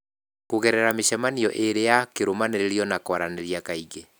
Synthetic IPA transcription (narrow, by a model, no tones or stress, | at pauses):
koɣɛɾɛɾameʃɛmaniɔʔeɾejakeɾomaneɾeɾjɔnakwaɾaneɾjakaiɣe